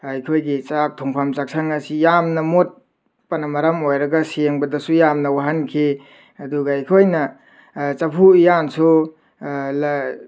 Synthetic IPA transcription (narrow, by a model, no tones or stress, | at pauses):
ajkʰojɡit͡ʃak̚tʰuŋpʰamt͡ʃak̚sʰaŋɐsijamnɐmot̚ | pɐnɐmɐɾamojɾɐɡɐsieŋbɐdɐsujamnɐwaɦankʰe | ɐduɡaajkʰojnɐ | t͡ʃɐpʰujansʰu | l